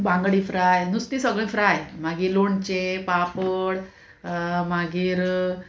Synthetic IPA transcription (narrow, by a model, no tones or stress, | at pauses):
bãŋɡɽĩfɾajnust̪iːsəɡɭĩfɾajmaɡiːloɳt͡ɕepapəɽ | maɡiːɾ